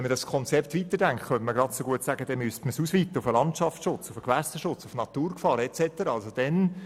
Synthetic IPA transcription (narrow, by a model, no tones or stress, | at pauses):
ɛnmədɑskʰɔnt͡sɛpt̪ʋit̪əɾdæŋkχχœntməɡ̥ɾɑdsoɡuətsæɡəd̥ɛnmyəstməsusʋiːt̪ːəʊfəlɑntʃɑfʃʊt͡sufəkʋæsəʃʊt͡sufnɑt̪uːɾkfɑːɾɛt͡sɛtəɾɑɑlsod̥ɛn